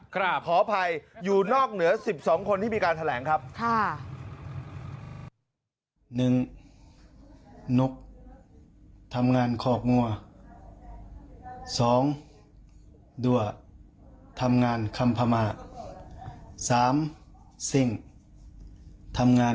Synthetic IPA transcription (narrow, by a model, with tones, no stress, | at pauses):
kpʰɔː˩˦pʰa˧jjuː˨˩nɔː˥˩k̚nɯ˩˦ɐsi˨˩p̚sɔː˩˦ŋkʰo˧nt̪ʰiː˥˩miː˧kaː˧nt̪ʰa˧lɛː˩˦ŋkʰa˦˥p̚kʰa˥˩ | nɯ˨˩ŋ | nu˦˥k̚ | t̪ʰa˧mŋaː˧nkʰɔː˧˩k̚ŋu˧ɐ | sɔː˩˦ŋ | du˧˩ɐ | t̪ʰa˧mŋaː˧nkʰa˧mpʰa˧maː˧˩t̪̚ | saː˩˦m | si˨˩ŋ | t̪ʰa˧mŋaː˧